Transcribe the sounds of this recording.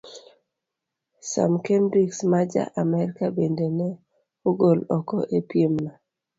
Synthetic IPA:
sa̰mkendɾiksmad͡ʒa̰ʔamɛɾikabendenɛ | uɡolɔkɔʔepjemna

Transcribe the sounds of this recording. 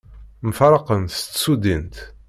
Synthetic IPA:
məfɾˤɑqənt͡sːsud̪int̪

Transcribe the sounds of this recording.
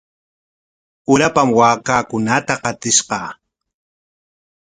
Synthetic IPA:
ʊɾapamwaːkaːkʊnat̪aqɑt̪ɪʃqɑː

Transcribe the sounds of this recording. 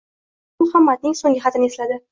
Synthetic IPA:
mʊhamːad̪̚nɪŋsoŋɡʲɪχɑt̪ʰɪnɪe̞slad̪ɪ

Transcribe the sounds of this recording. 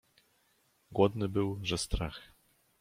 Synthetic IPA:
ɡwɔd̪nɘbɘwʐɛst̪ɾax

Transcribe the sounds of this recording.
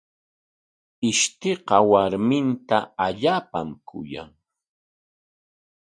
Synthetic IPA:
ɪʃt̪eqɑwaɾmɪnt̪aaʎaːpa̰mkʰʊ̰ja̰ŋ

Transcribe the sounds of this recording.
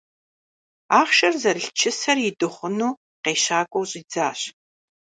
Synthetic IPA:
aːχʃɐrzɐrɬt͡ʃʰɪsɐrjɪdɨχʷʊnuː | qeːɕaːkʷʼɔwɕʼiːd͡zaːɕ

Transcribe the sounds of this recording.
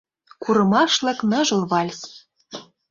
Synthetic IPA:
kuɾɤ̆mɑʃlɤ̆knɤ̆ʒɤ̆lβɑlʲs

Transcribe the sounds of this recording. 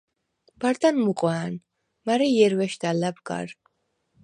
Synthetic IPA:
b̥aɾd̪anmuqʼwaːn | maɾɛijɛɾwɛʃd̪alabɡa̰ɾ

